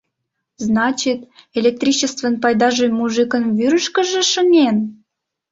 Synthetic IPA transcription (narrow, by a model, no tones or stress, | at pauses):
znɑt͡ɕit̪elʲek̚t̪rʲit͡ɕəst̪vənpɑjd̪ɑʒojmuʒɨkə̆nβyɾəʃkə̆ʒĕʃə̆nʲen